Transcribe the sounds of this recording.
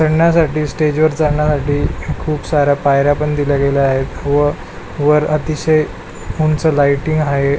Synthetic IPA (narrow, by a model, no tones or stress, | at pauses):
səɽɳjasaʈiːsʈed͡ʑʋəɾt͡səɽɳjasaʈiːkʰuːpsaɾjapajɾapəɳd̪ilaɡelaaɦet̪ʋə | ʋəɾət̪iɕəj | muɳt͡səlajʈiŋɡɦaɦe